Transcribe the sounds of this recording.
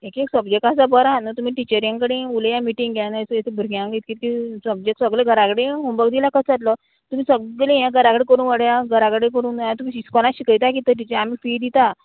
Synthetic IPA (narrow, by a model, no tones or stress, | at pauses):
ekeksəbd͡ʑek̚ʈasabəɾanət̪um̤iːʈit͡ɕəɾjãŋkəɽẽuljamiʈĩŋɡɡanasesebʱəɾɡjãŋkɡit̪̚kiːt̪kisəbd͡ʑek̚ʈsəɡɭeɡʱəɾakɽeɦombəɡd̪ilakət͡sʰat̪lə | t̪um̤iːsəɡlejãɡʱəɾakɽẽkəɾuːnʋəɽjaɡʱəɾakɽekəɾuːnt̪um̤iːiskɔlãɕikəjt̪ak̬it̪əʈ̬it͡ɕamiːfid̪it̪a